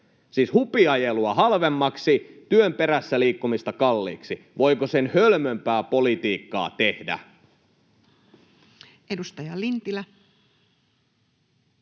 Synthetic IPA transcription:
siːshupiɑjeluɑɦɑlʋemːɑksit̪yømpeɾæsːæliːkːumist̪ɑkɑlːḭːksi | ʋo̞jkosenhølmømpæːpo̞lit̪iːkːɑ̰ːt̪ehdæ̰ | edust̪ɑjɑlint̪ilæ

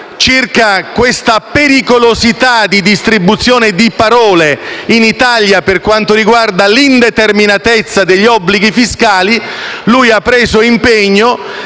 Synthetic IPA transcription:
t͡ʃirkakwest̪apeɾikolozit̪ad̪id̪ist̪ɾibut̪sːjoːned̪ipaɾɔːleinit̪aljaperkwant̪ʊɾiɡward̪alind̪et̪erminat̪et̪sːad̪eʎːiɔbːliɡifiskaːlilujapːɾeːzoimpeɲːo

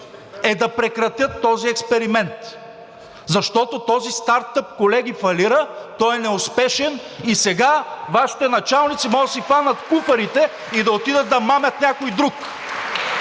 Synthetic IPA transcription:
ɛd̪ɐpɾɛkɾɐt̪ʲjət̪ːɔziɛkspɛɾimɛnt̪ | zɐʃt̪ɔt̪ot̪ɔzist̪aɾt̪ɤp̚kolɛɡ̟ʲifɐliɾət̪ɔjɛnɛʊspɛʃɛnisɛɡavaʃi̥t̪ɛnɐt͡ʃalˠnit̪simɔɡəsifanɐt̪kufɐɾit̪ɛ | id̪ɐot̪id̪ət̪̚d̪ɐmamʲɐt̪nʲakojd̪ɾuk

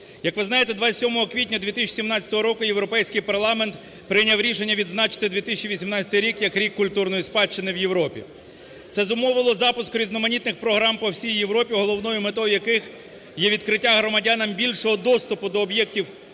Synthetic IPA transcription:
jɐkʋɪznɑjet̪ɛd̪ʋɑt͡sʲɐt̪ʲsʲɔmɔɦɔkʋʲitʲnʲɐd̪ʲʋʲit̪ɪs̬ʲt͡ʃsʲimnɑt͡sʲɐ̥t̪ɔɦɔɾɔkʊjewɾɔpɛjsʲkɪjpɐrlˠɑment̪ | pɾɪnʲawɾʲiʃenʲːɐʋʲid̪znɑt͡ʃɪ̥t̪ɪd̪ʋʲit̪ɪsʲt͡ʃiʋʲisʲimnɑt͡sʲɐ̥t̪ɪjɾʲikjɐkɾʲikːʊlʲt̪urnɔjispɑt͡ʃːɪnɪwjewɾɔpʲḭ | t̪sɛzʊmɔʋɪlˠɔzɑpʊskʊɾʲiznɔmɐnʲit̪nɪxpɾɔɦɾɑmpɔwsʲijjeʋɾɔpʲiɦɔlˠɔwnɔjʊmet̪ɔjjɐkɪx | jɛʋʲid̪kɾɪtʲːaɦɾɔmɐdʲanɐmbʲilʲʃɔɦɔd̪ɔst̪ʊpʊd̪ɔːbjɛk̚tʲiw

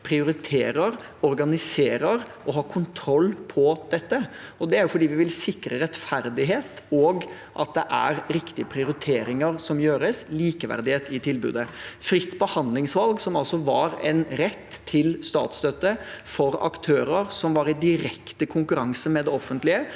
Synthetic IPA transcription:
pʰɾɪʊɾɪt̪ʰeːɾəɾ | ɔɾɡɑnɪseːɾəɾʔɔɦɑːkʰʊnt̪ʰɾɔlːpʰɔd̪̥ɛt̪ːəɔd̪ɛæɾjʊfɔɖiːʋɪʋɪlsɪkɾəɾɛt̪fæɾd̪ɪɦeːt̪oːɡ | ʔɑt̪̚d̪ɛʔæ̰ɾɾɪkt̪ɪəpʰɾɪʊɾɪt̪ʰeːɾɪŋəɾsɔmjøːɾəsliːkəʋæ̰ɾd̪ɪheːt̪ɪt̪ʰɪlbʉ̰ːd̪əfɾɪt̪ːbəhɑnd̪lɪŋsʋɑlɡsɔmɑlsɔʋɑ̰ɾɛ̰nɾɛt̪ʰːɪlst̪ɑ̰ːt̪st̪œt̪ːəfɔɾɑ̰kt̪ʰøːɾəɾsɔmʋɑɾɪd̪ɪɾɛkt̪əkʰʊŋkʉɾɑŋsəmɛd̪ɛɔfənt̪lɪə

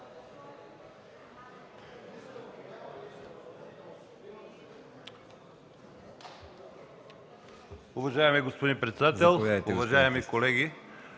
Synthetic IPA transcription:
ʊvɐʒajɛmiɡospod̪impɾɛt̪sɛd̪at̪ɛlˠʊvɐʒajɛmikolɛɡʲi

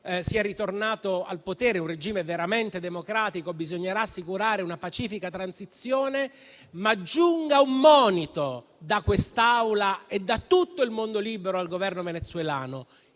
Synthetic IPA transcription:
siɛrːit̪ornaːt̪oa̰lpot̪ɛːɾeunred͡ʒiːmeveɾament̪ed̪emokɾaːt̪ikobizoɲːeɾaːsːikuɾaːɾeunapat͡ʃiːfikat̪ɾansit̪sːjoːne | mad͡ʒːuŋɡaumːɔːnit̪o | d̪akwest̪awlaed̪ːat̪ːut̪ːoilmond̪oliːbeɾoalɡovɛrnovenet̪sːwelaːno

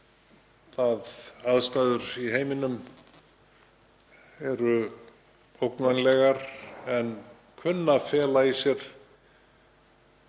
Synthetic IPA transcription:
θaðaðst̪ajðʏɾiɦeːjmɪnʏm | ɛɾʏ | owknvanlɛɣaɾɛn | kʰvʏnːafɛːlaisjɛɾ̥

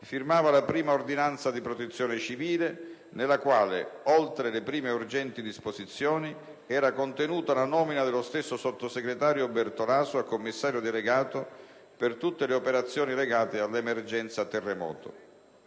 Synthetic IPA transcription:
firmaːvalapɾiːmaord̪inant̪sad̪ipɾot̪et̪sːjɔːnɪt͡ʃiviːle | nelːakwaːlḛolt̪ɾelepɾiːmeurd͡ʒɛnt̪id̪isposit̪sːjɔːni | ɛːɾakont̪enuːt̪alanɔːminad̪elost̪esːosot̪ːoseɡɾet̪aːɾjobɛrt̪olaːsoakːomːisːaːɾjod̪eleɡaːt̪o | pert̪ut̪ːeleopeɾat̪sːjɔːnileɡaːt̪ealːemerd͡ʒɛnt̪sat̪ɛrːemɔ̰ːt̪o̰

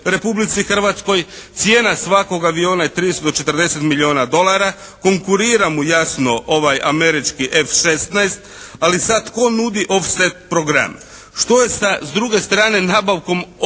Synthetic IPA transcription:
ɾe̞publit̪sixr̩ʋat̪sko̞j | t̪sijeːnasʋako̞ɡaʋio̞ːnajet̪ɾist̪od̪ot͡ʃe̞t̪rd̪e̞set̪milio̞ːnad̪o̞lˠaɾa | ko̞ŋkuɾiːɾamujasno̞ʔoʋajame̞ɾit͡ʃkiʔe̞fʃe̞st̪naest̪alisat̪ko̞nud̪iʔo̞fset̪̚pɾoɡɾa̰m | ʃt̪o̞je̞sazd̪ɾuɡe̞st̪ɾaːne̞naːbaʋko̞m

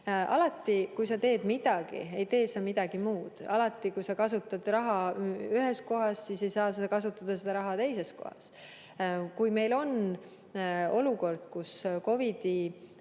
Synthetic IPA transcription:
ʔɑ̰lɑt̪ːˑikujsɑt̪e̞ːd̪̥mid̪̥ɑɡ̥ḭe̞jt̪e̞ːsɑmid̪̥ɑɡ̥imuːd̪̥ɑ̰lɑt̪ːˑikujsɑkɑsut̪ːˑɑd̪̥rɑɦɑyɦesko̞ɦɑssise̞jsɑːse̥ɑkɑsut̪ːˑɑd̪̥ɑsed̪̥ɑɾɑɦɑt̪e̞jse̞sko̞̰hɑ̰s | kujme̞jlo̞n | o̞luko̞rd̪̥kusko̞vid̪̥i

